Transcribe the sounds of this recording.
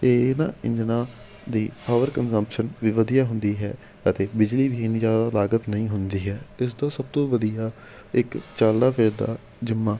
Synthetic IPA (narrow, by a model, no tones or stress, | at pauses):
eːnã̰ːɪ̰̃ɲd͡ʒnaː | d̪iːpaːʋəɾkənzəmpʃənʋiːʋəd̪ijaːɦʊ̃nd̪iːɦɛ̰ː | ət̪eːbɪd͡ʒliːʋiːɪniːd͡ʒjaːd̪aːlaːɡət̪nəĩːɦʊnd̪iːɦɛːt̪ɪs̬d̪aːsəb̚t̪õːʋəd̪ijaː | ɪkt͡ʃaːld̪aːpʰɪːɾd̪a̰ː | d͡ʒɪmːãː